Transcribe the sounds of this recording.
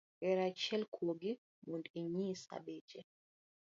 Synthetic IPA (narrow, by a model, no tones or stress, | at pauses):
ʔɛɾat͡ʃɛlkʰoɡi | mundɛɲiːsa̰ɓɛd͡ʒɛ